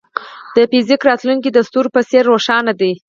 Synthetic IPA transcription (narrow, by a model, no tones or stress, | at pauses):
d̪̥əfɪzɪkɾɑt̪luŋkid̪ast̪uɾpəseɾːoʂɑnad̪i